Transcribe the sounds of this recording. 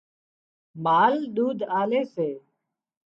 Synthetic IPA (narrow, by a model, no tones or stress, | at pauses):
maːlɗ̪uːd̪ʱaːleːseː